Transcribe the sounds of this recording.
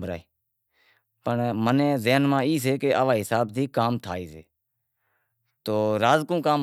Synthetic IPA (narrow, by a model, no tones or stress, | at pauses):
əɾa̰ːeː | pəɳmənẽːzeːnmãːiːs̬eːkeːʔəʋaːɦɪsaːbt̪iːkaːmt̪ʰaːiːsḛː | t̪oːɾaːzkũːkaːm